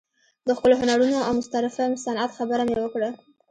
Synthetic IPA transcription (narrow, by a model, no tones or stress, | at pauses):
d̪əxpəloɦʊnaɾunoawmʊst̪aɾɪfamsanat̪xabəɾamewəkɽa